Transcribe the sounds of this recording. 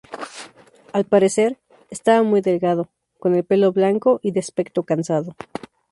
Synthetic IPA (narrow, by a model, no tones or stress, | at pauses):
alpaɾe̞se̞ɾ | est̪aβamujðe̞lɣaðo̞ | ko̞ne̞lpe̞lo̞βlaŋko̞ʔiðeaspe̞kt̪okansaðo̞